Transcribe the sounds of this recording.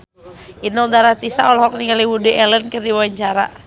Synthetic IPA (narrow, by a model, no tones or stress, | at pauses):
inɔldaɾat̪isaɔlɔɦɔk̚niŋaliwudiʔɛlənkərdiwaaɲt͡ʃaɾa̰